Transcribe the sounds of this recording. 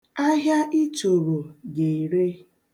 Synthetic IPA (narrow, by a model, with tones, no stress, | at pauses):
a˦ɦja˦ʔi˦t͡ʃo˨ɾo˨ɡe˨i˨ɾe˦